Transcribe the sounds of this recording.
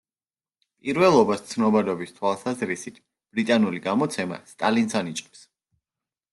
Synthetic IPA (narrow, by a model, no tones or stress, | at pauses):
pʼiɾvɛlˠɔbast̪sʰnɔbad̪ɔbist̪ʰwalˠsazɾisit̪ʰ | b̥ɾit̪ʼanuliɡamɔt̪sʰɛma̰st̪ʼalinsanit͡ʃʼqʼɛps